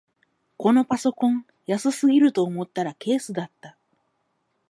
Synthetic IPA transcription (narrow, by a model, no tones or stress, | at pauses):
ko̞no̞paso̞kõ̞ŋ | jasɨsɨɡʲiɾɯ̟t̪o̞ːmo̞t̪ːaɾake̞ːsɨd̪at̪ːa